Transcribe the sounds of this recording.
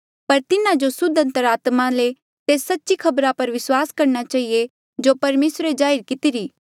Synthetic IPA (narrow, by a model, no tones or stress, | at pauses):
pɐɾt̪ɪnãd͡ʒosʊd̪ə̃nt̪əɾaːt̪mãle | t̪eːsːɐtːʃikʰɐbɾapɐɾʋɪswaːskɐɾñat͡ʃaːɦie | d͡ʒopɐɾmeːsɾed͡ʒaːɪɾkɪt̪iɾiː